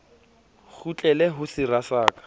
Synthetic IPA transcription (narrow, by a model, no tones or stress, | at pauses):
χut͡ɬʼɛlɛɦʊsɪrasaːkʼḁ